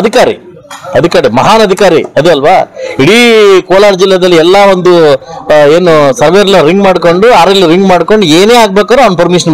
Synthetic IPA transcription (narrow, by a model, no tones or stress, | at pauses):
ɐd̪ʱikaːɾḭ | ɐd̪ʱikaːɾimɐɦaːnɐd̪ʱikaːɾiɐd̪uɐlʋa̰ːiɽikoːlaːɾd͡ʒilːɐd̪ɐlːiɛlːaond̪u | e̞ːnusɐɾʋeɾɐlɐɾiŋɡmaːɖko̞ɳɖuaːɾɐlːiɾiŋɡmaːɖko̞ɳɖueːne̞ːaːɡ̚bekaːɾuɐʋɐnpɐɾmiʂ̬ɐn